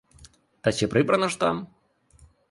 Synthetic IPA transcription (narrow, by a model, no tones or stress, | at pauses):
t̪ɐsʲipɾɨbɾɐnɐʂt̪am